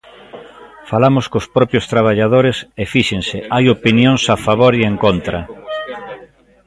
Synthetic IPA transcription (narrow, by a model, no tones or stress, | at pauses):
falamʊskospɾɔpjost̪ɾaβaʎaðoɾesefiʃeŋsɪajopinjoŋsafaβ̞oɾieŋkont̪ɾɐ